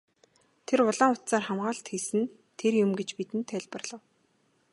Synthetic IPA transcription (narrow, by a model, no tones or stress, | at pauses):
t̪ʰerʊɮaːŋʊt̪saːrχamɢaːɬt̪xisɘ̆n | t̪ʰerjʊmɡet͡ɕpit̪ɘ̆nt̪ʰːæɮʲpə̆rɮ̥ə̆w